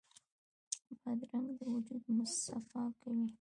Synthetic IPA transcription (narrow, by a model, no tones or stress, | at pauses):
bad̪ɾaŋd̪əwʊd͡ʒud̪mʊst̪afɑkawi